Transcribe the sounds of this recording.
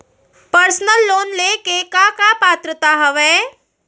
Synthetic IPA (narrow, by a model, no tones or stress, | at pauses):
pəɾsnəlːoːnlekekakapaːt̪ɾət̪aɦɐʋeː